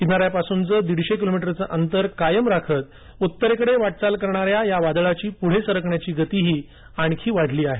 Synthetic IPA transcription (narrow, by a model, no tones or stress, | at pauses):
kinaɾjapasunt͡səːd̪iɽɕekilomiʈəɾt͡səʔənt̪əɾkajəmɾakʰət̪̚ | ut̪ːəɾekəɽeʋaʈ̚t͡salkəɾɳ̃aɾjajaʋad̪ɭat͡ɕiːpuɽ̤esəɾəkɳjat͡ɕiːɡət̪iːɦiː | aɳkʰiːʋaɽ̤liːaɦe